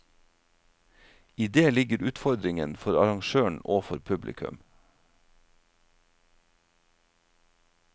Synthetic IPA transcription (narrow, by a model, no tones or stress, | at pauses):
iːd̪eːlɪɡəɾʉːt̪fɔɾd̪ɾɪŋənfɔɾɑɾɑŋʃøːɳ̩oːfɔɾpʰʉblɪ̰kʰʉ̰m